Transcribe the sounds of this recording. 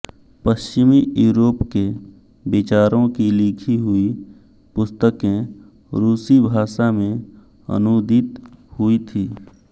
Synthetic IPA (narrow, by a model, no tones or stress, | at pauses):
pəʃt͡ʃɪmiʔjuːɾoːpke | bɪt͡ʃaːɾõkilɪkʰiɦʊi | pʊst̪əkẽ | ɾuːsibʱaːʃamẽ | ə̰noːd̪ɪt̪hʊit̪ʰiː